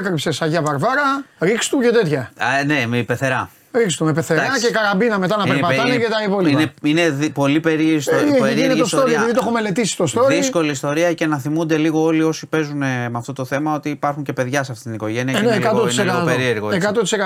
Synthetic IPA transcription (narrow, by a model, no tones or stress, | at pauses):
kɾipsesɐʝɐvɐɾvɐɾɐɾikst̪ucet̪et̪çɐnempeθe̞ɾɐ | ɾikst̪umepeθeɾɐcekɐɾɐbinɐme̞t̪ɐnɐpeɾpɐt̪ɐnnecet̪ɐipoliineineðpo̞lipeɾisoeɾieneiosooɾieɐpiðit̪oome̞le̞t̪isi̥t̪o̞st̪oɾðisko̞liːst̪o̞ɾiɐce̞nɐθimund̪e̞liɣo̞o̞lio̞sipe̞zunemɐft̪ot̪oθe̞mɐo̞t̪iːpɐɾxuɲce̞pe̞ðʝɐseɐft̪it̪inikoʝe̞niɐenkɐt̪oinseɐopeɾieɾɣoekɐt̪ot̪isekɐ